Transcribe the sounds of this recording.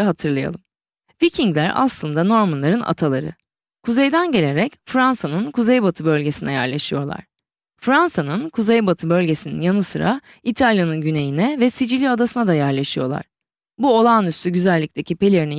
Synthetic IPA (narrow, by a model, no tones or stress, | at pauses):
ɦat̪ʰɯɾlˠaja̰lˠɯm | vicʰiŋɡlʲæɾa̰slˠɯnd̪ano̞ɾmanlˠaɾɯnʔa̰t̪ʰalˠaɾɯ̰ | kʰuze̞jd̪ænɟe̞lʲe̞ɾɛcfɾansanɯnkʰuzejbat̪ʰɯbø̞lʲɟe̞sinɛjæ̰ɾlʲˠaʃɯjo̞ɾlˠa̰ɾ̝̥ | fɾansanɯnkʰuzejbat̪ʰɯbølʲɟe̞sinḭnjanɯsɯɾa | it̪ʰalʲjanɯnɟyne̞jinɛvɛsid͡ʒilʲiad̪asɯnad̪ajæɾlʲˠaʃɯjo̞ɾlˠa̰ɾ̥ | buo̞lˠaːnyst̪ʰyɟyzælʲːic̚t̪ʰe̞cʰipe̞lʲe̞ɾini